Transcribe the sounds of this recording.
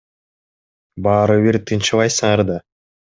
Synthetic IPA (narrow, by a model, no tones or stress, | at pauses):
bɑːɾɯβiɾt̪ʰɯnt͡ʃɯβˠɑjsɯŋɑɾd̪ɑ